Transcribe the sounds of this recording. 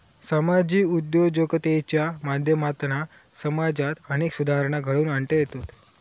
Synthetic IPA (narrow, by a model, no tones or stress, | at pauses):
səmad͡ʑiːud̪jod͡ʑokt̪et͡ɕjamad̪ʱjəmat̪na | səmad͡zat̪əñeːksud̪ʱaɾɳ̃aɡʱəɭuːnaɳʈəjet̪ot̪